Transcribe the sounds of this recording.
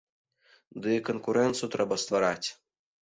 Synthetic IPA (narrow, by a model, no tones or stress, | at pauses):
d̪ɨkonkuɾɛnt̪sɨjut̪ɾɛbɐst̪vaɾat͡sʲ